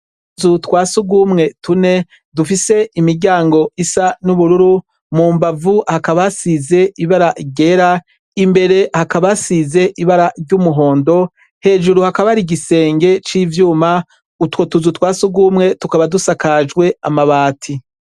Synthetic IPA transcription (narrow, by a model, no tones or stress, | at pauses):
zutwaːsuɡumŋe̞tune̞ | dufise̞imiɾɟaːŋɡo̞ʔisanuβuɾuɾu | muːmbavuhakaβasize̞iβaɾaɟe̞ɾa | imbe̞ɾe̞hakaβasize̞ʔiβaɾaɾɟumuɦo̞ːndo̞ | he̞ːʒuɾuhakaβaɾiɡise̞ːŋɡe̞t͡ʃiːvjuːma | utwo̞tuzutwaːsuɡumŋe̞tukaβadusakaʒɡwe̞amaβaːtʰi